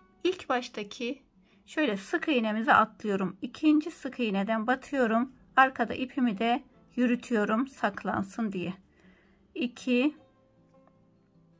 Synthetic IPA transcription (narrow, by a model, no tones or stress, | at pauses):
ilʲcbaʃt̪ʰacʰi | ʃø̞jlʲɛsɯkʰɯinemizɛʔat̪ʰlˠɯjo̞ɾumicʰind͡ʒisɯkʰɯjined̪ænbat̪ʰɯjo̞ɾum | aɾkʰad̪a̰ʔipʰimid̪ɛ | jyɾyt̪ʰyjo̞ɾumsakʰlˠa̰nsɯnd̪ijɛ | icʰi